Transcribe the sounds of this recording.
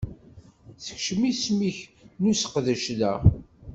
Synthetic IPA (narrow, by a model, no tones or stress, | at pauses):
θə̥çʃmismiçnusə̥qðəʃlæ